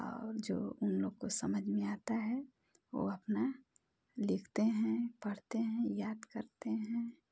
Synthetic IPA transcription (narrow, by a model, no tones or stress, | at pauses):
ɔ̰ːɾd͡ʒo̰ːʊnloːɡkosəməd͡ʒʱmẽaːt̪aɦɛ | ʋo̰ɐpna | lɪkʰt̪eɦɛ̃pəɽ̤t̪eɦɛ̃jaːd̪kəɾt̪eɦɛ̃